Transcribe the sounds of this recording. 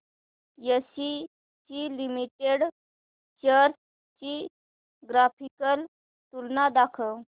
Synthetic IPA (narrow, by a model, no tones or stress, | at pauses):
jəɕi | t͡ɕilimiʈeɽ | t͡ɕəɾt | t͡ɕi | ɡɾapʰikəl | t̪ulnad̪akʰə